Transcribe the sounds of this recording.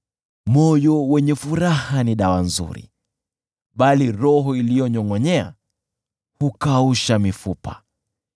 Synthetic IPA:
mɔjɔwɛɲɛfuɾahaniɗawanzṵɾḭ | ɓaliɾɔɦɔilijɔɲɔŋɔɲɛa̰ | hukauʃamifupa̰

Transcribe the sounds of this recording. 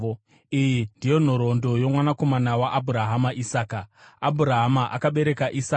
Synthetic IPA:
ijindijo̞n̤oɾo̞ndojo̞mwanako̞manawaʔabʱuɾaɦamaʔisaːkaabʱuɾaɦamaʔakaɓe̞ɾe̞kaʔisa

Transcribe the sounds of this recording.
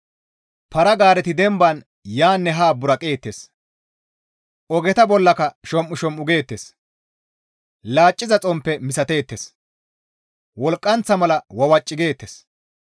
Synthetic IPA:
pɐɾɐɡaːɾɛt̪ɪd̪ɛmbɐn | jaːnːɛɦaːbʊɾɐkʼe̞ːt̪ːeːs | ɔɡɛt̪ɐbɔlːɐkɐʃɔmʔʊʃɔmːʊɡe̞ːt̪ːeːs | laːt͡ʃʼːɪzɐt͡sʼɔmpːɛmɪsɐt̪e̞ːt̪ːes | wɔlkʼːɐnt͡sːɐmɐlɐwɐwɐt͡ʃʼːɪɡe̞ːt̪ːes

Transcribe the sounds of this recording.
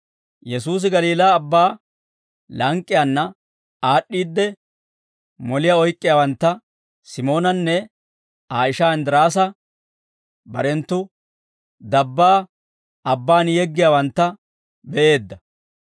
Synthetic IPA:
jɛsuːs̬ɪɡɐliːlaːbːaː | lɐŋkʼːɪjanːɐ | aːɗːiːd̪ːɛ | mɔlɪjaːɔjkʼːɪjaːwɐnt̪ːɐ | sɪmo̞ːnɐnːɛ | aːɪʃaːɪnd̪ɪɾaːs̬ɐ | bɐ̰ɾɛnt̪ːʊ | d̪ɐbːaː | ɐbːaːnjɛɡːɪjaːwɐnt̪ːɐ | bɛʔe̞ːd̪ːɐ

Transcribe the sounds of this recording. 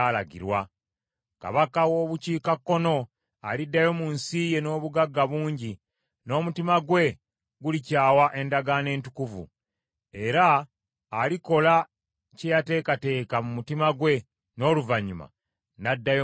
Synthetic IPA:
laɡḭɾwa | ka̰βakawo̞ːβuciːkakːo̞no̞ | alidːajo̞munsije̞no̞ːβuɡaɡːaβuːɲɟi | no̞ːmutimaɡwe̞ | ɡulicaːwaʔe̞ndaɡane̞ːntu̥kuvṵ | e̞ɾaː | liko̞la | cejate̞ːkate̞ːkamumutimaɡwe̞ | no̞ːluvaɲuma̰ | nadːajo

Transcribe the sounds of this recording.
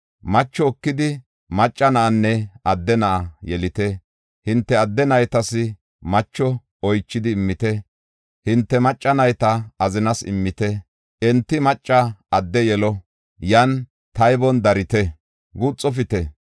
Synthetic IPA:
mɐt͡ʃːɔːkːɪd̪ɪ | mɐt͡ʃʼːɐnɐʔːnːɛɐd̪ːɛnɐʔɐjɛlɪt̪ɛ | hɪnt̪ːɛɐd̪ːɛnɐjt̪ɐsɪ | mɐt͡ʃːɔ | ɔjt͡ʃːɪd̪ɪːmːɪt̪ɛ | hɪnt̪ːɛmɐt͡ʃʼːɐnɐjt̪ɐɐzɪnɐsɪ̰mːɪt̪ɛ | ʔɛnt̪ːɪmɐt͡ʃʼːɐɐd̪ːɛjɛlɔ | jɐn | t̪ɐjbɔnd̪ɐɾɪt̪ɛ | ɡut͡sʼːɔfɪt̪ɛ

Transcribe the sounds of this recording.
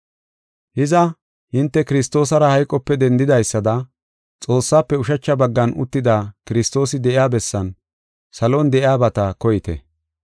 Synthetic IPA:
hɪzɐ | hɪnt̪ːɛkɪɾɪst̪o̞ːsɐɾɐhɐjkʼɔpːɛd̪ɛnd̪ɪd̪ɐjsːɐd̪ɐ | t͡sʼo̞ːsːaːpːɛʊʃɐt͡ʃːɐbɐɡːɐnʊ̰t̪ːɪd̪aːkɪɾɪst̪o̞ːsɪd̪ɛɪjaːbɛsːɐn | sɐlond̪ɛʔɪaːbɐt̪ɐkɔjɪt̪ɛ̰

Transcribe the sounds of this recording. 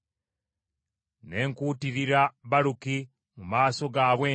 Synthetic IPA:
ne̞ːŋkuːtiɾiɾaβaɾuki | mumaːso̞ɡaβweː

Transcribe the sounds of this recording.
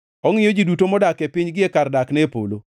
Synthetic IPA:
ɔŋɪjɔd͡ʒidutomɔdakepɪɲɡɪekardaknɛpo̰lo

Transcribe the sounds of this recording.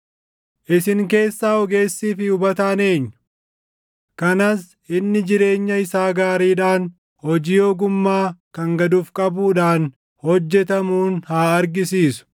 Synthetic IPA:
ʔɪsɪŋk̬e̞ːsːaːɔɡe̞ːsːiːfɪʊbɐt̪aːne̞ːɲːʊ | kɐnas | ʔɪnːɪd͡ʒɪɾe̞ːɲːɐɪsaːɡaːɾiːᶑaːn | hɔd͡ʒiːjoːɡʊmːaːkɐŋɡɐd̪uːfkʼɐbuːᶑaːn | hɔd͡ʒːɛt̪ɐmuːnhaːɐɾɡɪsiːsʊ̥

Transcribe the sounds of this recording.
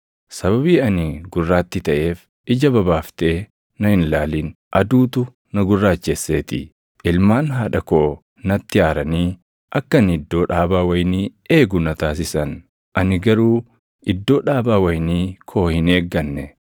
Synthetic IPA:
sɐβɐbiːɐnɪɡʊrːaːt̪ːɪt̪ɐʔe̞ːf | ɪd͡ʒɐbɐbaːft̪eː | nɐhɪnlaːliːn | ʔɐd̪uːt̪ʊ | nɐɡʊrːaːt͡ʃːesːe̞ːt̪ɪ̰ | ʔɪlmaːnɦaːᶑɐko̞ː | nɐt̪ːɪaːɾɐniː | ʔɐkːɐnɪd̪ːo̞ːᶑaːbaːwɐjniːe̞ːɡʊnɐt̪aːs̬ɪsɐn | ʔɐnɪɡɐɾuː | ɪd̪ːo̞ːᶑaːbaːwɐjniːkʰo̞ːhɪne̞ːɡːɐnːɛ

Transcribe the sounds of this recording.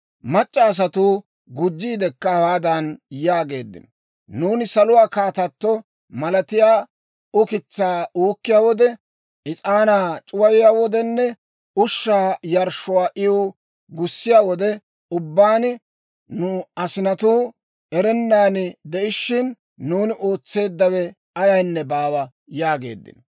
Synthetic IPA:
mɐt͡ʃʼːaːs̬ɐt̪u | ɡʊd͡ʒːiːd̪ɛkːɐɐwaːd̪ɐnjaːɡe̞̰ːd̪ːɪ̰nɔ | nuːnɪsɐlʊwaːkaːt̪ɐt̪ːɔ | mɐlɐt̪ɪjaː | ʊkɪt͡sːaːuːkːɪjaːwɔd̪ɛ | ʔɪt͡sʼaːnaːt͡ʃʼʊwɐjɪjaːwɔd̪ɛnːɛ | ʊʃːaːjɐɾʃːʊwaːʔɪ | ɡʊsːɪjaːwɔd̪ɛ | ʊbːaːn | nʊɐsɪnɐt̪uː | ɛɾɛnːaːnɪd̪ɛʔɪʃːɪnː | uːnɪʔo̞ːt͡sːe̞ːd̪ːɐwɛ | ɐjɐjnːɛbaːwɐ | jaːɡe̞̰ːd̪ːɪ̰n

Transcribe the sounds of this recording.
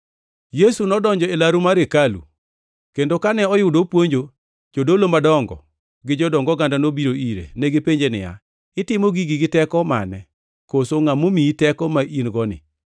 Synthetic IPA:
jesunɔdɔɲd͡ʒɔelaɾumaɾekalṵ | kendokanɛɔjʊdopwoɲd͡ʒo | d͡ʒodolomadɔŋɡɔ̰ | ɡɪd͡ʒɔdɔŋɡɔɡandanobiɾoiɾḛneɡepeɲd͡ʒenɪ̰ja̰ | ɪtɪmoɡiɡɪɡɪtɛkɔma̰nɛ | kosoŋamomiitɛkɔmaʔinɡɔnɪ̰

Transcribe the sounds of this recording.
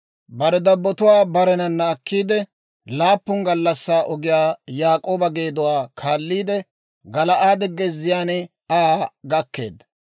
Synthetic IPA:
bɐɾɛd̪ɐbːɔt̪ʊwaːbɐɾɛnɐnːaːkːiːd̪ɛ | laːpːʊŋɡɐlːɐsːaːʔɔɡɪjaːjaːkʼo̞ːbɐɡe̞ːd̪ʊwaːkʰaːlːiːd̪ɛ | ɡɐlɐʔaːd̪ɛɡːɛzɪjaːn | aːɡɐkːe̞̰ːd̪

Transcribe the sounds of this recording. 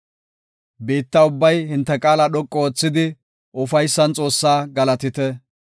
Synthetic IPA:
beːt̪ːɐʊbːɐjhɪnt̪ːɛkʼaːlɐɗɔkʼːɔoːt͡sːɪd̪ɪ | ʔʊfɐjsːɐnt͡sʼo̞ːsːaːɡɐlɐt̪ɪt̪ɛ

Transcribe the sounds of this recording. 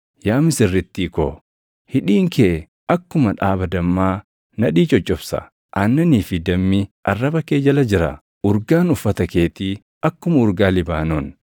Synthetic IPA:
jaːmɪsɪrːɪt̪ːiːko̰ː | hɪᶑiːŋkʰe | ʔɐkːʊmɐᶑaːbɐd̪ɐmːaː | nɐᶑiːt͡ʃʼɔt͡ʃʼːɔfsɐ̰ | ʔanːɐniːfɪd̪ɐmːɪʔɐrːɐbɐkeːd͡ʒɐlɐd͡ʒɪɾɐ̰ | ʔʊɾɡaːnʊfːɐt̪ɐke̞ːt̪i | ʔɐkːʊmɐʊɾɡaːlɪbaːnon

